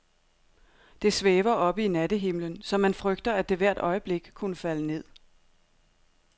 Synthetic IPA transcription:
d̥e̝sʋeːʋɐʔɒ̽b̥əinæd̥əɦe̝mlənsɒ̽mːænfʁœɡ̥d̥ɐæd̥e̝ʋæɐ̰d̥ɒ̽ɪəb̥le̝ɡ̥kʰunəfæləne̝ð̞̰ˠ

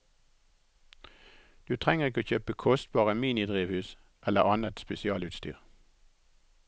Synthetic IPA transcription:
d̪̥ʉːt̪ʰʁɛŋəʁɪkoːçøːpəkʰɔst̪̚bɑːʁəmiːnɪd̪ʁiːʋhʉːs | ʔɛləʁɑnət̪spɛsɪɑːlʉːt̪st̪y̰ːʁ

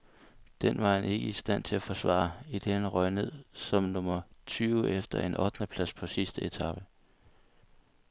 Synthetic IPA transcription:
d̥en̰ʋɑ̈hæne̝ɡ̥əisd̥æn̰t͡sʰe̝læfɒ̽sʋɑ̰̈ːid̥eænʁɒɪne̝ð̰ˠsɒ̽mnɔ̽mɐt͡sʰyːʊefd̥ɐe̝nʔɒ̽d̥nəpʰlæspʰɒ̽sisd̥əe̝t͡sʰɑ̈b̥ə

